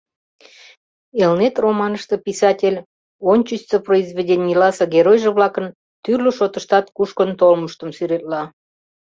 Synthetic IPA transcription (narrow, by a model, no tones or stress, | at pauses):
elnet̪romɑnəʃt̪əpisɑtʲelʲ | onʲt͡ɕist͡səproizβedʲenʲijlɑsɤɡeɾojʒĕβlɑkən | t̪yrlʲøʃot̪əʃt̪ɑt̪kuʃkənt̪olməʃt̪əmsyɾet̪̚lɑ